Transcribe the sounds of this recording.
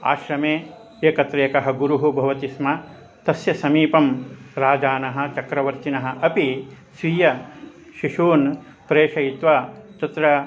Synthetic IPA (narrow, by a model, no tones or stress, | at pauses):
a̰ːʃɾɐmeː | jɐkɐt̪ɾɐjɐkɐɦɐ̆ɡuɾuɦubʱɐʋɐt̪ismɐ | t̪ɐsjɐsɐmiːpɐmɾaːd͡ʒaːnɐɦɐ̆t͡ʃɐkɾɐʋɐɾt͡ʃ̪inɐɦɐ̆ʔɐpi | sʋijɐ | ʃiʃuːn | pɾeːʂɐjit̪ʋɐt̪ɐt̪ɾɐ